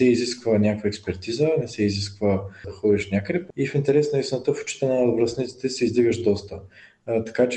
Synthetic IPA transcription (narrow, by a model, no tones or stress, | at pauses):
sɛiziskvənʲakvəɛkspɛɾt̪izənɛsɛiziskvəd̪ɐxɔd̪iʃnʲakəd̪ɛpifint̪ɛɾɛsnəisʲnət̪əfʊ̥t͡ʃi̥t̪ənəvɾɐsnit̪si̥t̪ɛsɛizd̪iɡəʃd̪ɔst̪ə | t̪ɐ̥kat͡ʃ